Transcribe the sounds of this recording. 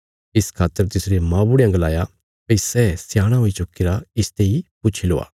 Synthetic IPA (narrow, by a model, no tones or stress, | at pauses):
ɪskʰaːt̪ːəɾt̪ɪsɾemãːbʊɽeɐ̃ŋɡəlaːja | pɐisɛːsjaːɽ̃aɦoːit͡ʃʊkːeɾaɪst̪eipʊt͡ʃʰiloːa̰ː